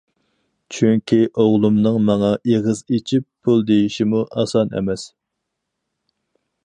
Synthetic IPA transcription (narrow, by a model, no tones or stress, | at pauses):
t͡ʃʰyŋkʲʰiʔoʁlˠumnɨŋmɑŋɑʔeʁəzet͡ʃʰipʰːulˠd̪ejiʃimuʔɑsɑnɛ̰mɛs